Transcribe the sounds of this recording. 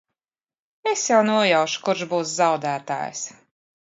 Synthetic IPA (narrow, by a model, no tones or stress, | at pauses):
esjawnuɔjawʃu̥kuɾʃbuːszawd̪æːt̪a̰ːj̰s